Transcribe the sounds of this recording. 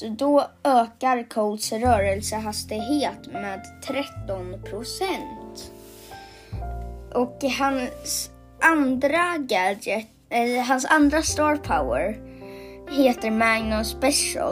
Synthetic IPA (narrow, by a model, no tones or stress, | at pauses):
d̪ɔøːkaɾkʰɔd̪sɾœːɾəlsəɦast̪ɪɡɦeːt̪meːd̪t̪ʰɾɛt̪ːɔnpʰɾʊsɛnt̪ | ʔɔkɦans | ʔand̪ɾaɡadə | ɛɦansa̰nd̪ɾast̪ɑːɾpʰaʊə̰ɾ | heːt̪əɾmaŋnɔspɛʂə̰l